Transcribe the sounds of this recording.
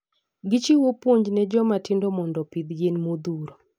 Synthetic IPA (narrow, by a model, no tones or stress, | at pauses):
ɡɪt͡ʃiwopwoɲd͡ʒnɛd͡ʒɔmatɪndɔmɔndɔpid̪jenmod̪uɾo